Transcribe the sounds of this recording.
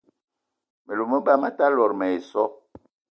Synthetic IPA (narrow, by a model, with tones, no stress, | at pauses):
me˨lo˨mə˦ba˦ma˦ta˦lɔ˨ɾmɛ˨e˨sɔ˦